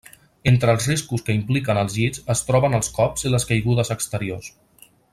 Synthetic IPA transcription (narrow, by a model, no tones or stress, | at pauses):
ent̪ɾəːlˠzriskuskəimplikənəlˠzizəst̪ɾɔβənəlˠskɔpziləskəjɣuðəzəkst̪əɾios